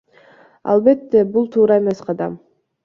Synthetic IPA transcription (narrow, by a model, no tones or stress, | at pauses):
ɑ̰lˠbe̞t̪ːe̞bulˠt̪ʰuːɾɑeme̞sqʰɑd̪ɑ̰m